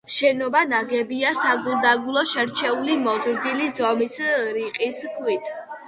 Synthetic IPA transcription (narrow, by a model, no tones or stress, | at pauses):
ʃɛnɔbanaɡɛbiasaɡulˠd̪aɡulˠɔʃɛɾt͡ʃʰɛulimɔzɾd̪ilizɔmisɾiqʼiskʰwit̪ʰ